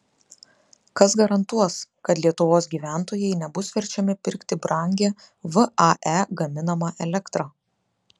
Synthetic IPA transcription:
kɐsɡɐɾɐnt̪uɔskɐt̪lʲiɛt̪ʊʋoːs̬ɡʲiːʋʲæˑnt̪oːjɛɪnʲɛbʊsʋʲɛɾʲt͡ʃʲɛmʲɪpʲɪɾʲkt̪ʲɪbɾɐˑŋʲɡʲe | ʋɨʔɐʔɛɡɐmʲɪnɐmɑːʔɛlʲɛkt̪ɾɑː

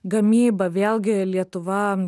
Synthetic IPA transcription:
ɡɐmʲiːbɐʋʲeːlˠʲɡʲɪlʲiɛt̪ʊʋɐ

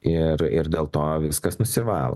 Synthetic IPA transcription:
ɪɾɪɾd̪ʲeːlˠt̪oːʋʲɪskɐsnʊsʲɪʋɑːlˠo̰

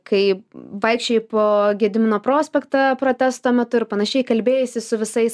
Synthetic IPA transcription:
kɐɪʋɐɪkʃʲt͡ʃʲoɪpoːɡʲiɛd̪ʲɪmʲɪnoːpɾoːsʲpʲɛkt̪ɐpɾoːt̪ʲæst̪oːmʲɛt̪ʊɪɾpɐnɐʃʲɛɪkɐlʲbʲeːjɛsʲɪsʊʋʲɪsɐɪs

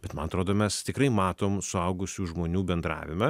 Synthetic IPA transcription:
bʲɛt̪mɐnɐt̪ɾoːd̪oːmʲɛst̪ʲɪkɾɐɪmɑːt̪oːmsʊɐʊɡʊsʲuːʒmoːnʲuːbʲɛnd̪ɾɑ̰ːʋʲɪmɐ

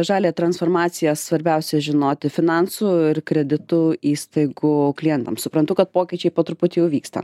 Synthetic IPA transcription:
ʒɑːlʲeːt̪ɾɐnsfoːɾmɑːt̪sʲɪjɛssʋɐɾʲbʲɛʊsʲɛʒʲɪnoːt̪ʲɪfʲɪnɑnsuːɪɾkɾʲɛd̪ʲɪt̪ʊiːst̪ɐɪɡʊklʲijɛnt̪ɐmsʊpɾɐnt̪ʊkɐt̪̚poːkʲɪt͡ʃʲɛɪpoːt̪ɾʊpʊt̪ʲiːjɛʊʋʲiːkst̪ɐ̰

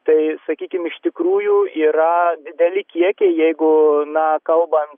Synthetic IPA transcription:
t̪ɐɪsɐkʲiːkʲɪmɪʃt̪ʲɪkɾuːjuːiːɾɐd̪ʲɪd̪ʲɛlʲɪkʲiɛkʲɛɪjɛɪɡʊnɐkɐlˠbɐn

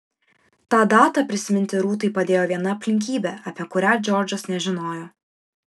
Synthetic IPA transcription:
t̪ɑːd̪ɑːt̪ɑpʲɾʲɪsʲɪmʲɪnʲt̪ʲɪɾuːt̪ɐɪpɐd̪ʲeːjoːʋʲiɛnɐɐpʲlʲɪŋʲkʲiːbʲɛɐpʲiɛkʊɾʲæːd͡ʒʲɔɾʲd͡ʒɐsnʲɛʒʲɪnoːjoː

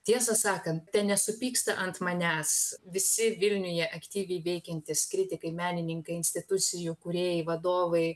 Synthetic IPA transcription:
t̪ʲiɛsɐsɑːkɐnt̪t̪ʲɛnnʲɛsʊpʲiːkst̪ɐʔɐnt̪mɐnʲæːsʋʲɪsʲɪʋʲɪlʲnʲʊjɛʔɐkt̪ʲiːʋʲɛɪʋʲɛɪkʲɛnʲt̪ʲɪskɾʲɪt̪ʲɪkɐɪmʲæːnʲɪnʲɪŋkɐɪɪnʲsʲt̪ʲɪt̪ʊt̪sʲɪjʊkʊɾʲeːjɛʋɐd̪oːʋɐɪ

